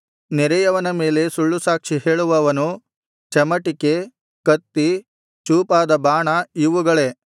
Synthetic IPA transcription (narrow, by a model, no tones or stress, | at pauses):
nɛɾɛjɐʋɐnɐmeːle̞suɭːusaːkʂiɦe̞ːɭuʋɐʋɐnu | t͡ʃɐmɐʈike | kɐt̪ːi | t͡ʃuːpaːd̪ɐbaːɳɐiʋuɡɐɭe̞